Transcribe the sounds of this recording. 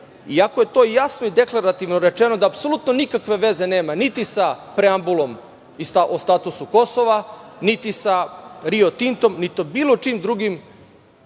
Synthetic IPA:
iakoje̞t̪o̞ːjasnoid̪e̞klˠaɾat̪iʋnoɾe̞t͡ʃeno̞d̪aːpsolut̪no̞nikakʋe̞ʋe̞ze̞ne̞ːmanit̪isapɾeambulo̞m | ist̪aʔost̪aːt̪usuko̞so̞ʋanit̪isaɾiot̪int̪o̞mnit̪obiːlo̞t͡ʃiːmd̪ɾuɡim

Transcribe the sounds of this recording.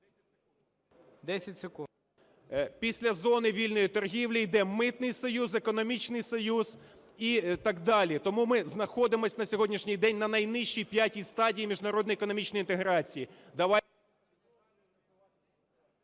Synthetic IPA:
d̪ɛsʲɐtʲsɪku | pʲisʲlʲɐzɔnɪʋʲilʲnɔjit̪ɔrɦʲiwlʲijd̪ɛmɪt̪nɪjsɔjuzekɔnɔmʲit͡ʃnɪjsɔjuz | it̪ɑɡd̪ɑlʲit̪ɔmumɪznɐxɔd̪ɪmɔsʲnɐsʲɔɦɔdʲnʲiʃnʲijd̪ɛnʲnɐnɐjnɪʃijpʲjatʲist̪ɑdʲijimʲiʒnɐɾɔd̪njɛkɔnɔmʲit͡ʃnɔjint̪eɦɾɑt͡sʲijid̪ɐʋɑ

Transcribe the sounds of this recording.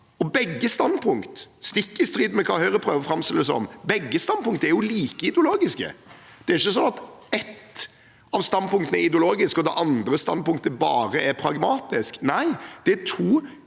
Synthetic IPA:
ɔbɛɡːəst̪ɑnpʰʊŋkt̪st̪ɪkːəɪst̪ɾiːd̪mɛkʰɑːhœʏɾəpʰɾøːʋəfɾɑmst̪ɪləəsɔ̰mbɛɡːəst̪ɑnpʊŋkt̪əɛɾjʊliːkəɪd̪ɛʊloːɡɪskə̰ | d̪̥ɛæɾɪçːəsɔnɑt̪ɛt̪ | ɑʋst̪ɑnpʊŋkt̪ən̩ɛɾɪd̪ɪʊloːɡɪskɔd̪ɛ̰ʔɑnd̪ɾəst̪ɑ̰npʊŋk̚t̪əbɑːɾəɛɾpʰɾɑɡmɑːt̪ɪsknæɪd̪̥ɛæt̪ʰuː

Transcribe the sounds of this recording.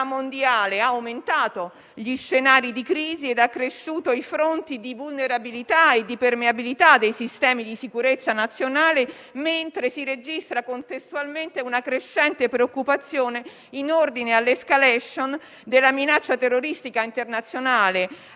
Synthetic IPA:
amond̪jaːleaawment̪aːt̪o | ʎiʃːenaːɾid̪ikɾiːzied̪akːɾeʃːuːt̪oifɾont̪id̪ivulneɾabilit̪aed̪ːipermeabilit̪ad̪ːejsist̪ɛːmid̪isikuɾet̪sːanat̪sːjonaːle | ment̪ɾesiɾed͡ʒist̪ɾakont̪est̪ualment̪eunakɾeʃːɛnt̪epɾeokːupat̪sːjoːne | inord̪inealːeskalɛʃon | d̪elːaminat͡ʃːat̪erːoɾist̪ikaint̪ernat̪sːjonaːle

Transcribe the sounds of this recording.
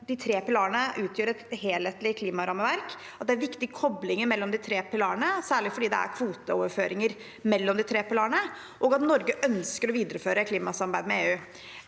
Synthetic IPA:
d̪ɪt̪ʰɾeːpɪlɑːɾəɳəʔʉːt̪ʰjøːɾɛt̪heːlheːt̪lɪkʰliːmɑɾɑməʋæɾk | ɑt̪̚d̪ɛæɾʋɪkt̪ɪɡkʰɔblɪŋəɾmɛlːɔmd̪ɪt̪ʰɾeːpɪlɑːɾəɳəsæːɭɪfɔɖiːd̪ɛ̰æ̰ɾkʰʋuːt̪əoːʋəɾføːɾɪŋəɾ | mɛlːɔmd̪ɪt̪ʰɾeːpɪlɑːɾəɳə | ʔɔɡɑt̪nɔɾɡəʔœnskəɾɔʋiːd̪əɾəføːɾəkʰliːmɑsɑmbæɪd̪mɛeːʉː

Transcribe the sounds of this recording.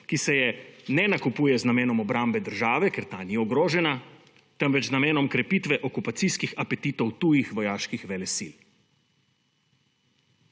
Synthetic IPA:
kisɛjɛnɛnakupuːjɛznameːnɔmɔbɾambɛd̪əɾʒaːʋɛkeɾt̪aniɔɡɾoːʒɛna | t̪ɛmʋɛt͡ʃznameːnɔmkɾɛpit̪ʋɛʔɔkupat̪siskixapɛt̪iːt̪ɔwt̪ujixʋɔjaːʃkixʋɛlɛsḭl

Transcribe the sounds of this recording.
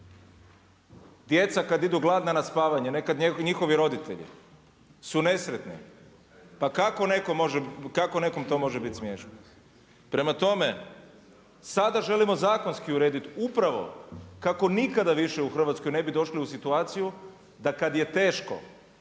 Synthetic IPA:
d̪je̞t̪sakad̪id̪uɡlˠad̪nanaspaːʋaɲenekad̪ɲɲixo̞ʋiɾo̞d̪it̪ḛʎḭ | sune̞sɾet̪nḭ | pakako̞ne̞komo̞ʒekako̞ne̞ko̞mt̪o̞mo̞ʒebit̪smjeːʃn | pɾe̞mat̪o̞me̞ | sad̪aʒe̞limo̞zaːko̞nskiuɾeːd̪it̪upɾaʋo̞̰kako̞nikad̪aʋiʃɛuxr̩ʋat̪skojne̞bid̪o̞ʃliusit̪uaːt̪siju | d̪akad̪je̞t̪e̞ːʃko̞̰

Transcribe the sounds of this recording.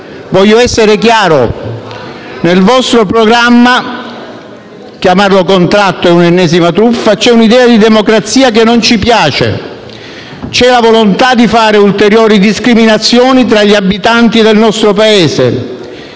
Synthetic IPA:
vɔʎːoɛsːeɾekjaːɾo | nelvɔst̪ɾopɾoɡɾamːa | kjamarlokont̪ɾat̪ːoɛunenːɛːsimat̪ɾufːat͡ʃɛunid̪ɛːad̪id̪ɛmokɾat̪sːiːak̬enːont͡ʃipjaːt͡ʃḛ | t͡ʃɛlavolont̪ad̪ifaːɾeult̪eɾjoːɾid̪iskɾiminat̪sːjɔːnit̪ɾaʎːiabːit̪ant̪id̪elnɔst̪ɾopaeːsḛ

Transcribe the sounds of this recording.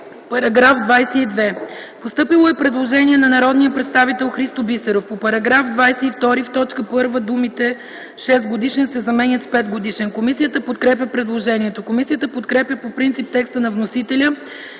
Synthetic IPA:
pɐɾɐɡɾafd̪vajsɛid̪vɛpost̪ɤpilˠoɛpɾɛd̪lˠoʒɛniɛnɐnɐɾɔd̪nijəpɾɛt̪st̪avit̪ɛlˠxɾist̪obisɛɾofpopɐɾɐɡɾafd̪vajsɛift̪ɔɾift̪ɔt͡ʃkəpɤɾvəd̪umit̪ɛ | ʃɛst̪̚ɡod̪iʃɛnsɛzɐmɛnʲət̪spɛt̪ɡod̪iʃɛnkomisijət̪əpot̪kɾɛp̬ʲjəpɾɛd̪lˠoʒɛniɛt̪okomisijət̪əpot̪kɾɛpjʲəpopɾint̪sip̚t̪ɛkst̪ənɐvnosit̪ɛlʲə

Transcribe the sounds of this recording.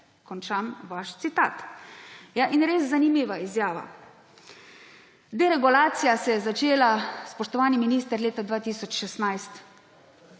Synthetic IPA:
kɔnt͡ʃamʋaʃt̪sit̪a̰ːt̪ | jaʔinɾeːsːanimiːʋaizjaːʋa̰ | d̪eɾɛɡulaːt̪sijasɛjɛzat͡ʃeːlaspɔʃt̪ɔʋaːniminiːst̪əɾleːt̪ad̪ʋaːt̪isɔt͡ʃʃɛst̪najst̪

